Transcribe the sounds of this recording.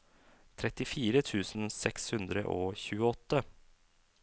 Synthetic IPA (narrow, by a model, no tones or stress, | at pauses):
t̪ʰɾɛt̪ɪfiːɾət̪ʰʉːsn̩sɛkshʉnd̪ɾə̰ʔoːçʉːəɔt̪ːə